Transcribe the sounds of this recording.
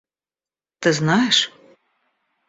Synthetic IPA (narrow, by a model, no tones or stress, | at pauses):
t̪ɨznɑjɛʂ